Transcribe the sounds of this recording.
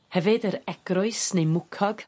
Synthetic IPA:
hɛvɨdəɾɛɡ̥rʊɨsnejmʊkʰɔɡ̥

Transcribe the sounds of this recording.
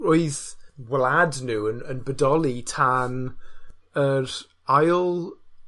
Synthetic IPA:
oɨðwladnuːənənbədɔlˠitʰan | əɾ | ajlˠ

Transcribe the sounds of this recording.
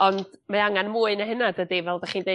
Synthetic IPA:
ɔnd̥maaŋanmuːɨnəhənadədivɛlˠdaχiːnde

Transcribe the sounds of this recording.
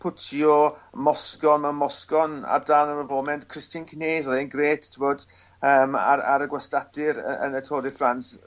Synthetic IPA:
pʰʊtʰjɔmɔskɔnamɔskɔna̰rdanəɾəvɔːmɛntkʰr̥ɪstɨnkʰneːzɔlenɡreːttʰɪwɔd̥ | əːma̰ɾa̰ɾəɡwɛstadɪɾə̰ə̰nətʰoːdɪfrans

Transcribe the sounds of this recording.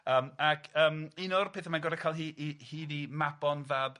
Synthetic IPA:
əːmakʰəːminʊrpʰeːθəmanɡɔɾakʰalˠɦiːʔihiːðimabɔnvaːb

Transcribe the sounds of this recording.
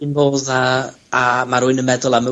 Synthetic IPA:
ɪnvoːðaː | maɾuːɨnəmɛdɔlˠamə

